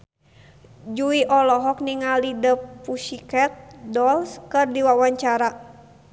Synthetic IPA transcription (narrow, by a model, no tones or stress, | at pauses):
d͡ʒuiʔɔlɔɦɔk̚niŋalidəpuʃikɛt̪̚dɔlskɨrdiwawaɲt͡ʃaɾa